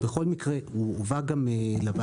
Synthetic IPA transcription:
beχo̞lmikʁeuovaɡamelaba

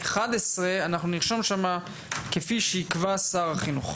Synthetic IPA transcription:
eχad̪esʁeanaχnuniʁʃomʃama | kefiʃejikvasaʁaχinuχ

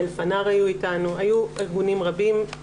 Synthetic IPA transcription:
lfanaʁajuitanuajueʁɡunimʁabim

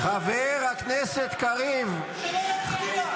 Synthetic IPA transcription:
χaveʁhakneset̪kaʁiv

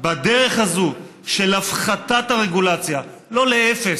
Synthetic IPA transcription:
bad̪eʁeχhazuʃe̞lafχat̪at̪haʁeɡulat͡sjalo̞leefes

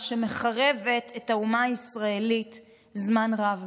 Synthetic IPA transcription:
ʃe̞me̞χaʁe̞ve̞tetaumaːisʁae̞lit | zmanʁav

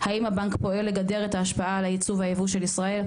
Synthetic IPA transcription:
haimhabaŋkpo̞e̞lːe̞ɡade̞ʁe̞t̪aːʃpaalajit͡suvajevuʃe̞lisʁae̞l

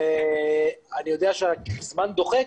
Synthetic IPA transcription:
e | anijo̞d̪eaʃazmand̪o̞χe

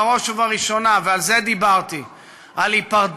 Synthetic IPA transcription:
ʁo̞ʃevaʁiʃo̞navealzed̪ibaʁt̪i | alipaʁd

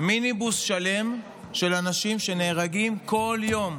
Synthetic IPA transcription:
minibusʃale̞m | ʃe̞lanaʃimʃe̞ne̞ːʁaɡimko̞ljo̞m

